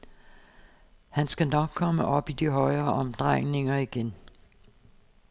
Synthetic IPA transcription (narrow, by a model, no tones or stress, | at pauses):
hænsɡ̥ænɒ̽ɡ̥̚kʰɒ̽məʔɒ̽b̥id̥iɦɒ̽ɪɐːʔɒ̽md̥ʁɑŋ̰ne̝ŋɐiɡ̥en